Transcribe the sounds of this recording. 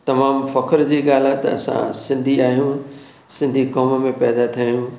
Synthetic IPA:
t̪ɐmaːmfɐkʰəɾd͡ʑiːɠaːl̤at̪ɐ̰sã̰sɪ̃nd̪ʱiaːɦijũ | sɪ̃nd̪ʱikɔːmmẽpɛːd̪at̪ʰijaːjũ

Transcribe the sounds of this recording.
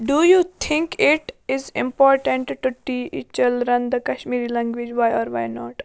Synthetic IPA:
ɖujuːt̪ʰɪ̃ŋkɪʈɪzɪ̰̃mpɔːɾʈə̃ɳʈʈːuʈiːḭt͡ʃɐlɾɐ̃nd̪ɐkɐʃmiːɾilɛ̃ŋɡʋid͡ʒʋajɔːɾʋaːjnɔːʈ

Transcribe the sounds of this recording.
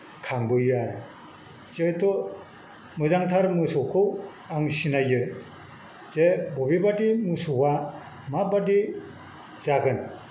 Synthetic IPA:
kʰaŋbɯjɯaɾɯ | t͡ʃejtʰo | mɯzaŋtʰaɾmɯsɔkʰɯw | aŋsinajɯ | z̥ebobibadimɯsuwa | mabadi | zaɡɯn

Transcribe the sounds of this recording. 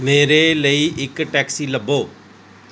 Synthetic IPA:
meːɾeːləiːʔɪkʈɛːksiːləbːoː

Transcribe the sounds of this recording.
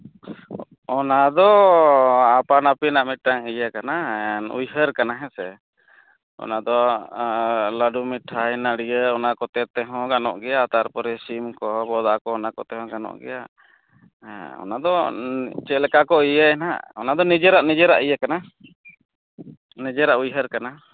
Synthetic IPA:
ɔnad̪ɔ | apanapinaʔmit̪̚ʈaŋijakanaṵjɦəɾkanaɦɛ̃sɛ | ɔ̰nad̪ɔ | ləɖumiʈʰːaɛnaɽijəɔnakɔt̪ɛt̪ɛɦɔ̃ɡanɔ̰ʔɡɛjat̪aɾpɔɾɛsimkɔbɔd̪aʔkɔɔnakɔ̰t̪ɛɦɔ̃ɡanɔ̰ʔɡɛ̰ja | ɔ̰nad̪ɔt͡ʃɛlɛkakɔijəɛna̰ɔnad̪ɔnid͡ʒəɾaʔnid͡ʒɛɾa̰ʔijakana | nid͡ʒɛɾaʔujɦəɾkana

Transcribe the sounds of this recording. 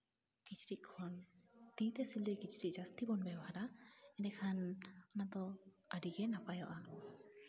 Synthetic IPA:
ɡ̥it͡ʃɾiʔ̚kʰɔnt̪it̪ɛsilɛɡit͡ʃɾiʔ̚ˀd͡ʒast̪ibɔnbɛbɔɦaɾaɛnɛkʰanɔnad̪ɔ | əɖiɡɛnapajɔʔa

